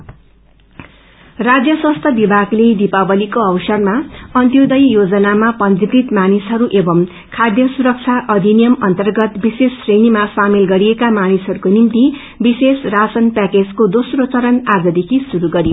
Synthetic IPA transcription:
rad͡zjʌswʌ̃st̪ʰʌbibʱaɡled̪ipabʌlikoʌwsʌrmaʌnt̪jod̪ʌjjod͡zʌnamapʌnd̪ik̪it̪manisɦʌɾuʔebʌm | kʰad̪jʌsuɾʌk̚t͡sʰaʔʌd̪ʱinijʌmʌnt̪ʌrɡʌt̪bisesːrenimasamilɡʌɾijekamanisɦʌɾukonimt̪i | bisesrasʌnpɛked͡zkod̪osrot͡sʌɾʌnad͡zʌd̪ekʰisuɾuɡʌɾijo

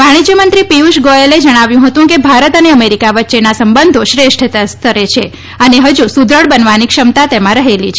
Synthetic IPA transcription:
ʋaɽ̃id͡ʒjəmənt̪ɾipiuʃɡojeled͡ʒəɽ̃aʋjũɦət̪ũkebʱaɾət̪əneəmeɾikaʋətːʃenasəmbənd̪ʱoʃɾeʃʈ̪ʰst̪əɾet͡ʃʰe | əneɦəd͡ʒusud̪ʱɾəɽbənʋanikʃəmt̪at̪emãɾəɦelit͡ʃʰ

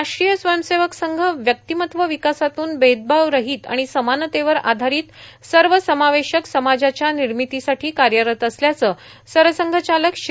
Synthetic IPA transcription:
aʂʈɾijəsʋəjəmseʋəksəŋɡʱəʋjək̚t̪imət̪ʋəʋikasat̪uːnbed̪̚bʱaʋɾəɦiːt̪a̰ɽ̃isəmant̪eʋəɾa̰d̪ʱaɾiːt̪səɾʋəsəmaʋeɕəksəmad͡zat͡ɕjaniɾmit̪isaʈʰiːkaɾjəɾət̪əsljat͡səː | səɾʋəsəŋɡʱət͡ɕaləkɕ

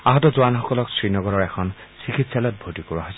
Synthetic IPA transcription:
aɦɔtɔzʊwanxɔkɔlɔksɹinɔɡɔɹɔɹɛkʰɔnsikʰitsɛlɔt̚bʱotikɔɹaɦojsɛ

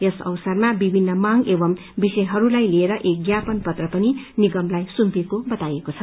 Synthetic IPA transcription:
esʌ̰wsʌrmabibʱinːʌmaŋɡebʌm | bisʌjɦʌɾulajlieɾʌʔek̚ɡjapʌnpʌt̪rʌpʌniniɡʌmlajsumpekobʌt̪ajekot͡sʰʌ

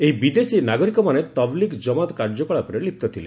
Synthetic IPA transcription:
eɦibid̪esinaɡɔɾikɔmanet̪ɔblikd͡ʒɔmat̪kaɾd͡ʒɔkɔɭapɔɾelip̚t̪ɔt̪ʰile

